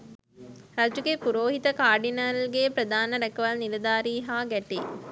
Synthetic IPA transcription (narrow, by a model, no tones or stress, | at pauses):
ɾɐd͡ʒukepuɾoːɦit̪ɐkaːɾɖinalɡepɾɐd̪aːnɐɾɐkːɐʋalnilɐd̪aːɾiːɦaːɡɐʈːi